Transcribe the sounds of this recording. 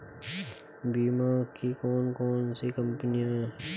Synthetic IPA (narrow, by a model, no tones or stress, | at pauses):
biːmaːkikoːnkoːnsikəmpnijãɦɛ